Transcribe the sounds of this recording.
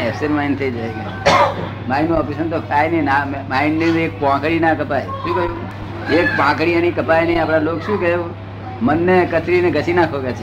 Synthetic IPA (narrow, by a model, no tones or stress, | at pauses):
ɛseɾmaint̪ʰəid͡ʒajne | mainõɔpisənt̪okʰajnenammainniek̚pãkɽinakəpajʃũkəjũ | ek̚pãkɽiəñikəpajnəiapɽ̃alokʃũːkə | mənːekət̪ɾineɡʱət͡ʃinakʰokat͡ʃʰe